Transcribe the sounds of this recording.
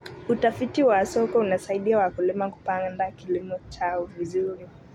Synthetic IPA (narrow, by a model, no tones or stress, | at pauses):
utafitiwasɔkɔunasaiɗiawakulimaku̥pandakilimɔt͡ʃaɔvizuɾi